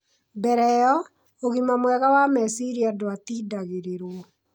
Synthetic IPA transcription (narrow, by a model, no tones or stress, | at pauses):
bɛɾɛjɔ | oɣimamwɛɣawamɛsiɾiadoatidaɣeɾeɾwɔ